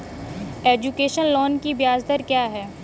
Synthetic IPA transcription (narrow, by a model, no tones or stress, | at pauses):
eːd͡ʒukeːʃənlɔːnkibjaːzd̪əɾkjaːɦɛː